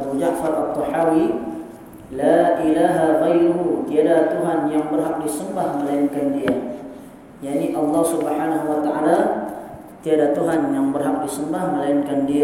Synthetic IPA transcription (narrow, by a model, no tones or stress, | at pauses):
bud͡ʒaʔfaɾʔat̪ːɔħawi | laʔilaɦaɣajɾuɦut̪iadaht̪uɦanjaŋbərɦak̚disəmbahməlajɪnkandia | jaʔniʔɑlːɑhsubħanaɦuwat̪aʔa̰la | t̪iadaht̪uɦanjaŋbərɦak̚disəmbahməlajɪnkandi